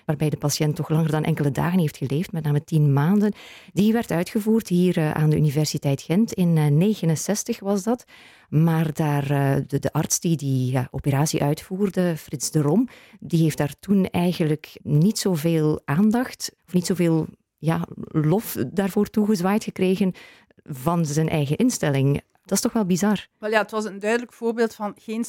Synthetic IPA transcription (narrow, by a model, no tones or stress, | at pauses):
ʋaːrbɛjdəpɑsjɛntːɔxlɑŋərdɑnʔɛ̰ŋkələda̰ːɣənɦeftxəleːftmɛtnaːmətinmaːndənd̥iʋɛrtœɥtxəvuːrtɦiːrʔa̰ːndəʔynivɛrsitɛjtxɛntɪnːeːɣənənsɛstəxʋɑzdɑt | maːrdaːrdədəʔɑrtsd̥idiaʔo̰pəɾaːsiʔœɥtfuːrdəfrɪtzdərɔmdiɦeːft̚d̥aːrtunɛjɣənləknitsoːveːlˠʔaːndɑxtɔfnitsoːveːlˠ | jaːlɔfdaːrvoːrtuɣəzʋaːjtxəkreːɣən | vɑnzɛnʔɛjɣəʔɪnstɛlɪŋ | d̥ɑstɔxʋɛlˠbizɑrɛlˠjaətʋɑsəndœɥdələkfoːrbeːlˠtfɑnɣeːn